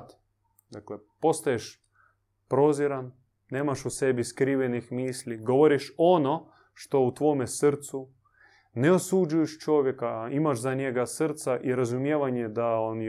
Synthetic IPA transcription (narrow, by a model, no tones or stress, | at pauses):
t̪ | d̪aklepo̞st̪ajeʃ | pɾo̞ziɾan | ne̞ːmaʃuse̞biskɾiːʋenixmiːsliɡo̞ʋoɾiʃo̞no̞ | ʃt̪o̞ut̪ʋo̞mesr̩t̪su | neosud͡ʒujeʃt͡ʃo̞ʋje̞kaimaʃzaɲeɡasrt̪saʔiɾazumjeːʋaɲed̪aon